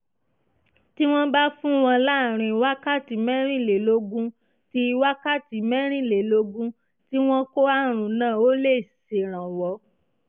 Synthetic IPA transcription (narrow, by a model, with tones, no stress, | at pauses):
ti˦w̃ɔ̃˦ba˦fũ˦w̃ɔ̃˧la˦˨ɾ̃ĩ˧˨wa˦ka˦˨ti˨mɛ̃˦ɾ̃ĩ˦˨le˨lo˧˦ɡũ˦ | ti˧wa˦ka˦˨ti˨mɛ̃˦ɾ̃ĩ˦˨le˨lo˧ɡũ˦ | ti˦w̃ɔ̃˦ko˦a˦ɾ̃ũ˨nãː˦˨o˦le˦˨se˨ɾ̃ã˨wɔ˧˦